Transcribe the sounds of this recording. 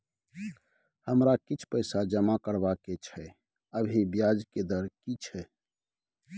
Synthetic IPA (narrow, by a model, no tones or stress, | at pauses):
həmɾakit͡ʃʰpəɪsad͡ʒəmakəɾbaket͡ʃʰɛ | əbʱibjad͡ʒked̪əɾkit͡ʃʰɛ